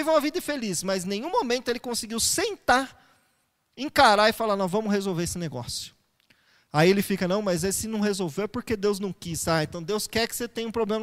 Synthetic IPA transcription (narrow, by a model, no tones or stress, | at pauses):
iṽũmɐvid̪ɐɪfelismɐznẽj̃ũmomẽnt̪ʊelɪkõsɪɡiwsẽnt̪aɾ | ẽŋkaɾaɪfalanɐ̃w̃vɐ̃mʊzhezowveɾesɪneɡɔ̰sjʊ̥ | aielɪfikɐnɐ̃w̃mɐzɛsɪnɐ̃w̃ɦezowveɾpoɾked̪ewznɐ̃w̃kisaẽnt̪ɐ̃w̃d̪ewskɛɾkɪ̥set̪ẽj̃ɐũpɾoblẽmɐ